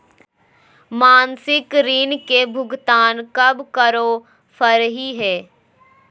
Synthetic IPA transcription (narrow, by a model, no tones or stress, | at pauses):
maːnsɪkɾiːnkebʱʊɡt̪aːnkɐbkəɾo | fʰəɾɦiɦɛː